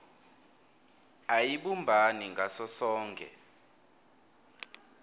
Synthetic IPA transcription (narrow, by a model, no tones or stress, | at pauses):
ajiɓumbʱaniŋɡʱasɔsɔːŋkʼɛ̰